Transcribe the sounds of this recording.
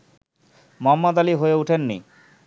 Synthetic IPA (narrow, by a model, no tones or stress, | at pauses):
mɔmːad̪aliɦoeuʈʰenːḭ